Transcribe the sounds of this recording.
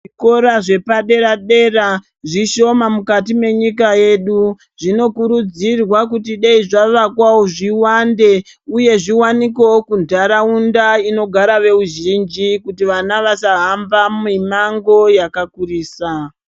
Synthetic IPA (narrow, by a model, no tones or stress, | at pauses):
ʐiko̞ɾaʐe̞paɗe̞ɾaɗe̞ra | ʐiʃo̞mamukatime̞ɲikaje̞ɗu | ʐ̥ino̞kuɾud͡zirwakutiɗeiʐaʋakwawoʐiwande̞ | uje̞ʐiwanikeokundʱaɾaundaino̞ɡʱaɾaʋe̞uʒind͡ʒikutiʋanaʋasaɦambamimaŋɡo̞jakakuriːsa